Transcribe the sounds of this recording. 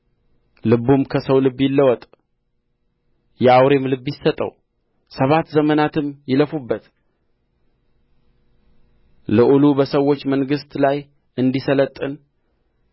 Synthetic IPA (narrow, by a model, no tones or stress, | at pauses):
lɨbumkʰəsəwlɨbːjɪlːəwɔt̪ʼ | jɛawɾe̞mlɨbːjɪsːət̪ʼə̰w | səβat̪zəmənat̪ʰɨmjɪləfubːət̪ | ləʔulubəsəwːo̞t͡ʃːməŋɡɨst̪laj | ɨnd̪isələt̪ʼːɨn